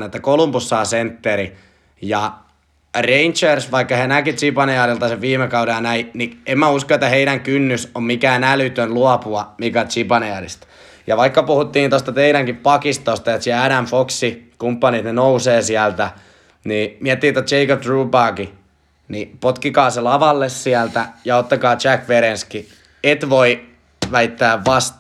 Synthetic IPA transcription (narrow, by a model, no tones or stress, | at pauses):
net̪ːækolumpusːɑːsent̪ːeɾi | jɑ | reint͡ʃersʋɑikːɑhænækit̪sipɑniɑɾilt̪ɑseʋʋiːmekɑuɾeɑnæiniemmæuskoet̪ːæheiɾæŋkynːysommikæːnælyt̪ønluɑpuɑmikæt̪sipɑneɑdḭst̪ | jɑʋɑikːɑpuhut̪ːiːnt̪ost̪ɑt̪eiɾæŋkippɑkist̪ost̪ɑet̪sɑæɾæmfoksikumpːɑnit̪nenouseːsiælt̪æ | niːmiæt̪ːiːet̪ːott͡ʃeikopt̪ruːpɑːki | nipot̪kikɑːselɑʋɑlːessiælt̪æjɑot̪ːɑkɑːt͡ʃækʋeɾenski | et̪ʋoi | ʋæit̪ːæːʋʋɑst̪